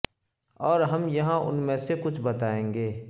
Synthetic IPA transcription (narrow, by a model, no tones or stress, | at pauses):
ɔːɾɦɐmjɐɦãʔʊ̰nmẽsekʊt͡ʃʰbɐt̪aːẽːŋɡeː